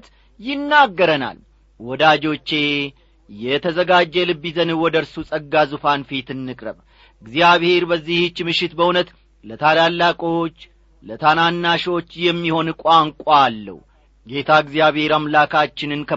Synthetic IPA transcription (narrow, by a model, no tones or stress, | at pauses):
t̪ | jɪnːaɡːəɾəna̰l | wɔd̪ad͡ʒo̞t͡ʃːe̞ | jɛt̪ʰəzəɡad͡ʒːɛlɨbːizənɨwɔd̪əɾsusʼəɡːazufanfit̪ɨnːɨkʼɾəβ | ɨɡzijaβhe̞ɾbəzːiht͡ʃːmɨʃːɪt̪bəunət̪ | lət̪ʰalalːakʼo̞t͡ʃː | lət̪ʰananːaʃo̞t͡ʃːjɛmːiho̞nkʷʼaŋkʷʼːlːə̰hu | ɡe̞t̪ʰaɡzjaβhe̞ɾamlakʰat͡ʃːɪnɨnkʰə